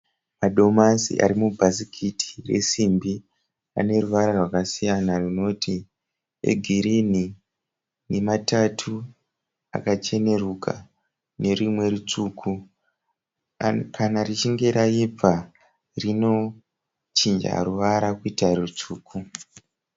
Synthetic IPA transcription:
maɗo̞masḭʔa̰ɾimubʱasikʰiti̥re̞̰simbi | a̰ne̞ruʋaɾarwakasijanarino̞ti | ḛɡʱiɾini | ne̞matatʰu | a̰kat͡ʃe̞ne̞rukʰa̰ | ne̞rimwe̞rut͡ʂuːkʰu | kʰanarit͡ʃiŋɡe̞ɾaib͡va | rino̞ | t͡ʃind͡ʒa̰ɾuʋaɾakuitarut͡ʂuːkʰu

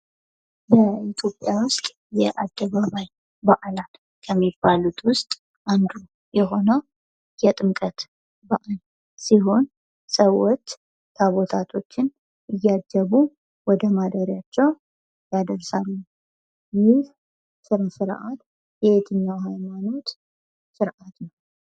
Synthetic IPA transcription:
ləit̪ʰjo̞pʼjawʊst̪ʼ | jɛʔad̪̥ːəβaβaj | baʔalal | kʰəmːibːalut̪ʰwʊst̪ʼ | ʔand̪u | jɛɦo̞nə | jɛt̪ʼɨmkʼət̪ | baʔal | siɦo̞n | səwːot͡ʃː | t̪ʰaβo̞t̪ʰat̪ʰo̞t͡ʃːɪn | ʔɨjːad͡ʒːəβu | wɔd̪əmad̪əɾjat͡ʃːɛw | jad̪əɾsalːu | jɪh | sɨɾsɨɾʔat̪ | jɛet̪ʰɨɲːawɦajmano̞t̪ | sɨɾʔat̪nəw

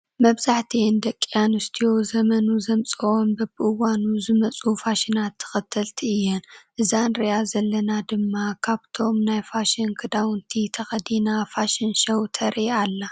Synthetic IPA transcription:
mɐβzaħt̪ʰind̪ɐkʼːjanɨst̪ʰijo̞zɐmɐnuzɐmt͡sʼɐʔombɐbɨʔɨwanuzɨmɐt͡sʼufaʃɪnat̪ʰːɨ̥xɐt̪ʰːɐlt̪ʰiɨjːɛnʔɨzanɾɐjazɐlːɐnad̪ɨmːakʰaβt̪ʰo̞mnajfaʃinkʰɨd̪awɨnt̪ʰit̪ʰɐxɐd̪inafaʃɪnʃɐwt̪ʰɐɾialːa

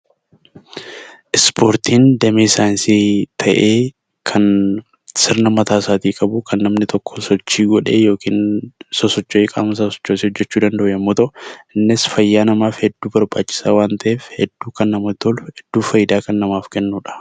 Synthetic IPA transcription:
ʔɪspʰo̞ːɾt̪ʰiːnd̪ɛmeːsaːnsit̪ʰɐʔeː | kʰɐn | sɪɾnɐmɐt̪aːsaːt̪iːkʼɐbuːkʰɐnːɐmnɪt̪ʰɔkːɔ̥sɔt͡ʃːiːɡɔᶑe̞ːjo̞ːkiːnsɔsɔt͡ʃːoːkʼa̰ːmɐs̬aːsɔ̥t͡ʃːoːsɪhɔd͡ʒːɛt͡ʃːuːd̪ɐnd̪ɐʔʊjɐmːoːt̪ɐʔʊɪnːɪsfɐjːaːnɐmaːfhɛd̪ːuːbɐɾbaːt͡ʃʼːɪ̥saːwaːnt̪ʰɐʔeːfhɛd̪̥ːuːkɐnːɐmɐt̪ɔlhɛd̪̥ːuːfɐjɪd̪aːkɐnːɐmaːfkɛnːuːᶑɐ̥

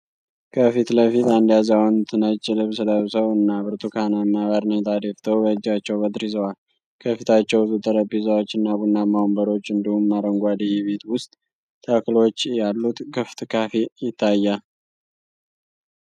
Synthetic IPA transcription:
kʰəfit̪ləfit̪and̪jazawnt̪ʰɨnət͡ʃʼːɪlɨβsɨləβsəwɨnːabɨɾt̪ʼukʰanamːaβaɾnet̪ʰad̪eft̪ʰəwbəɨd͡ʒːat͡ʃːɛwbəd̪ɾizəwal | kʰəfit̪ʰat͡ʃːɛwzut̪ʼəɾəbizawot͡ʃːɨnːaβunːamawmbəɾo̞t͡ʃːɨnd̪ihumːaɾəŋɡʷad̪ijɛβet̪wʊst̪ʼ | t̪ʰːəklo̞t͡ʃːjalːut̪ɡʰɨft̪ʼkʰafijɪt̪ʰːajːa

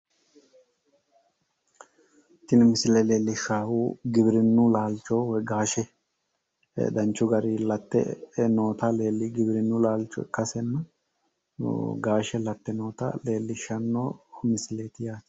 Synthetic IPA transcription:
t̪ːɪnmɪsɪlɛle̞ːlːɪʃːaːwuːɡɪbɪɾɪnːʊlaːlt͡ʃoːwɔjɡaːʃɛ | ɛ̰d̪ɐnt͡ʃːʊɡɐɾilɐt̪ːɛ̰no̞ːt̪ɐle̞ːlːɪɡɪbɪɾɪnːʊlaːlt͡ʃːɔ̰ɛ̰kːɐsɛnːɐ | ɡaːʃɛlɐt̪ːɛno̞ːt̪ɐ̰le̞ːlːɪʃːɐnːoːmɪsɪle̞ːt̪ɪjaːt̪

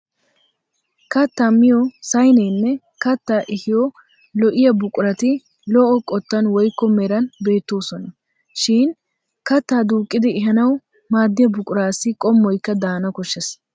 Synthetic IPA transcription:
kɐt̪ːamɪjɔsɐjnɛjnːɛ | kɐt̪ːaːʔɪhɪjɔ | lɔʔɪjɐbʊkʼʊɾɐt̪ɪ | lɔʔɔkʼɔt̪ːɐnwɔjkːɔmɛɾɐnbe̞ːt̪ːo̞ːsɔnɐ | ʃɪn | kɐt̪ːaːd̪uːkʼːɪd̪ɪːɦɐnɐw | maːd̪ːɪjɐbʊkʼʊɾaːsɪkʼɔmːɔjkːɐd̪aːnɐkɔʃːɛs

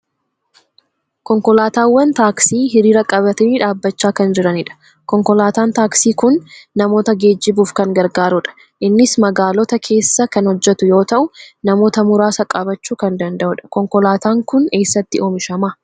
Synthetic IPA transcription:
kɔŋkɔlaːt̪aːwːɐnt̪aːksiːɦɪɾiːɾɐkʼɐβɐt̪ɐniːᶑaːbːɐt͡ʃːaːkɐnd͡ʒɪɾɐnɪᶑɐ̥ | kɔŋkɔlaːt̪aːnt̪aːksiːkʊnːɐmo̞ːt̪ɐɡe̞ːd͡ʒːɪbuːfkɐŋɡɐɾɡaːɾʊᶑɐ̥ | ʔɪnːɪsmɐɡaːlɔt̪ɐkʰe̞ːsːɐkɐnhɔd͡ʒːɛt̪ʊjo̞ːt̪ɐʔʊnɐmo̞ːt̪ɐmʊɾaːsɐkʼɐbɐt͡ʃːuːkɐnd̪ɐnd̪ɐʔʊᶑɐ̥kɔŋkɔlaːt̪aːŋkʊne̞ːsːɐt̪ːɪoːmɪʃɐmɐ

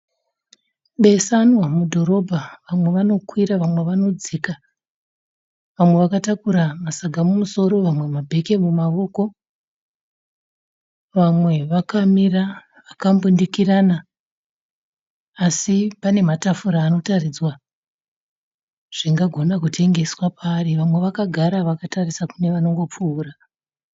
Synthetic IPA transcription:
ɓe̞sanwamudʱo̞ɾo̞bʱaʋamwe̞ʋano̞kwiɾaʋamwe̞ʋano̞d͡zika | ʋamwe̞ʋakatakuɾamasaɡʱamumuso̞ɾo̞ʋamwe̞mabʱe̞ke̞mumaʋo̞ːko̞ | ʋamwe̞ʋakamira | ʋakambundikirana | sipane̞matafuɾaːno̞tarid͡zwa | ʐ̥iŋɡaɡʱo̞nak̬utʰe̞ŋɡe̞swapʰaːriʋamwe̞ʋakaɡʱaɾaʋakatarisakune̞ʋano̞ŋɡo̞p͡fuːra

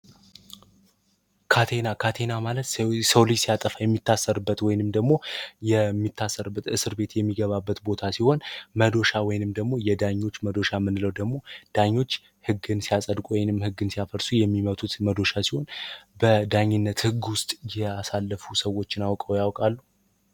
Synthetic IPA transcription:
kʰat̪ʰe̞nakʰat̪ʰe̞namalət̪səwlɨd͡ʒsijat̪ʼəfajɛmːit̪ːasːəɾɨbːət̪wɔjɪnɨmd̪əɡmo̞jɛmːit̪ʰːasːəɾɨbːət̪ɨsɨɾbe̞t̪jɛmːiɡəβabːət̪bo̞t̪ʰasiho̞nməd̪o̞ʃawɔjɪnɨmd̪əɡmo̞jɛd̪aɲːo̞t͡ʃːməd̪o̞ʃamɨnɨləwd̪əɡmo̞d̪̥aɲːo̞t͡ʃː | hɨɡɨnsijasʼəd̪kʼuwɔjɪnɨmhɨɡːɨnsijafəɾsujɛmːimət̪ʰʼut̪məd̪o̞ʃasiho̞nbəd̪aɲːɪnːət̪hɨɡːwʊst̪ʼjɛasalːəfusəwo̞t͡ʃːɪnawkʼəwjawkʼalːu

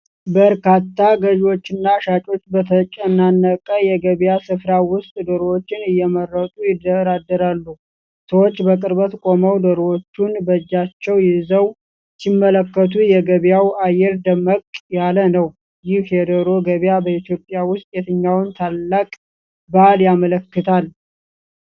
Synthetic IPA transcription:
bəɾkʰat̪ːaɡəʒwo̞t͡ʃːɪnːaʃat͡ʃʼo̞t͡ʃːbət̪ʰət͡ʃʼɛnːanːəkʼːəjɛɡəβjasɨfɾawʊst̪ʼd̪əɾowot͡ʃːɪnɨjːɛmərːət̪ʼujɪd̪əɾad̪ːəɾalːu | səwot͡ʃːbəkʼɨɾbət̪kʼo̞məwd̪əɾwot͡ʃːunbəd͡ʒːat͡ʃːɛwjɪzəw | sɪmːələkːət̪ʰujɛɡəβjawajːɛɾd̪əməkʼjalənəw | jɪhjɛd̪əɾo̞ɡəβjabəit̪jo̞pʼjawʊst̪ʼjɛt̪ʰɨɲːawnt̪ʰalːakʼ | baljamələkːɨt̪ʰal

